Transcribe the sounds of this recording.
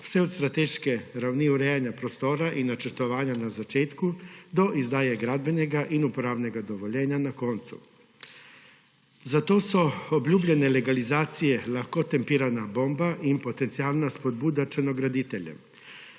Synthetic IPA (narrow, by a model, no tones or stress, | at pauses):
seod̪st̪ɾat̪eʃkeɾawniuɾejaɲapɾost̪o̞ːɾaʔinat͡ʃeɾt̪o̞ʋaːɲanazat͡ʃeːt̪kud̪o̞ʔizd̪aːjeɡɾad̪be̞neɡaʔinupoɾaːʋneɡad̪oʋoʎeːɲanako̞nt̪sṵ | zat̪o̞ːsuobʎuːbʎene̞le̞ɡalizaːt̪sije̞laxkot̪e̞mpiːɾanabo̞mbaʔimpo̞t̪e̞nt̪sialˠnaspod̪̚bud̪at͡ʃeno̞ɡɾad̪it̪eʎḛ